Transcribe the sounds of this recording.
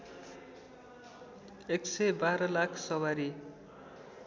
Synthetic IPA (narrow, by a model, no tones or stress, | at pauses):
eksʌjbaɾʌlakʰsʌwaɾi